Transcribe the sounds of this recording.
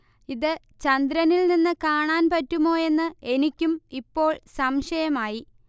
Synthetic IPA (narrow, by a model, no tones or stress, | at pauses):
iðɨ | t͡ɕɐnd̪ɾɐnilninːɨkaːɳaːnpɐtːumo̞ːe̞nːɨe̞nikʲːumipːo̞ːɭsɐmʂɐjɐmaːji